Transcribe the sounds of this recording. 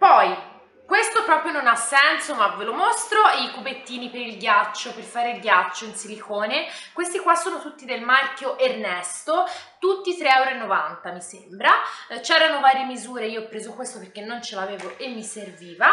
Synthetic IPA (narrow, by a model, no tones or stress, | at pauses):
pɔj | kwest̪opɾɔːpɾjononasːɛnsomavelomost̪ɾoikubet̪ːiːnipeɾilɡjat͡ʃːoperfaːɾeilɡjat͡ʃːoinsilikʰoːnekwest̪ikwasːoːnot̪ut̪ːid̪elmalkjoʔernɛst̪ot̪ut̪ːit̪ɾeɛwɾenːovant̪amisembɾat͡ʃɛːɾanovaːɾjemizuːɾeiːoːpːɾeːzokwest̪operkenːont͡ʃelaːveːvoʔemːiserviːva